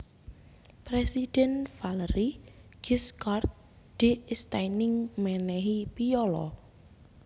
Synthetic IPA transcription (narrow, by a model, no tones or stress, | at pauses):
pɾesid̥ɛnfaləɾiɡ̥iskart̪̚ | d̥e̤ɪst̪ainɪŋmɛnɛɦipiɔlɔ̰